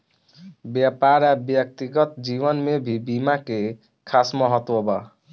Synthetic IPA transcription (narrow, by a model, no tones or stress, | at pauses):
bɛpaɾabjək̚t̪iɡɔt̪d͡ʒibɔnmebʱibimake | kʰasmɔɦɔt̪wɔba